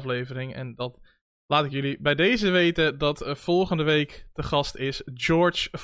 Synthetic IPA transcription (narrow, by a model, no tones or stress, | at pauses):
flejvəɾɪŋɛ̰ndɑt | laːtɪkjʏlibɛjdejzəʋejtədɑtfɔlˠχəndəʋejktəχɑstɪsd͡ʒɔɹt͡ʃf